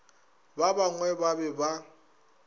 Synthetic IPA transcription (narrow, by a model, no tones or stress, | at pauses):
babaŋwɛbabɛba